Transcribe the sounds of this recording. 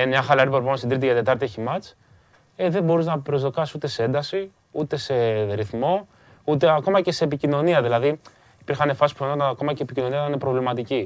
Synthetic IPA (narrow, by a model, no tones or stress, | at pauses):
enɲɐxɐlɐɾipoɾpomost̪id̪ɾit̪iʝɐt̪e̞t̪ɐɾt̪ieçimɐt͡s | eðe̞bo̞ɾiznɐpɾo̞zðo̞kɐssut̪e̞see̞nd̪ɐsi | ut̪e̞se̞ɾiθmo̞ | ut̪e̞ɐko̞mɐce̞se̞ːpicino̞niɐðilɐði | ipiɾxɐne̞fɐsi̥spuenot̪ɐnɐko̞mɐce̞ːpicino̞niɐt̪nepɾo̞vlimɐt̪ici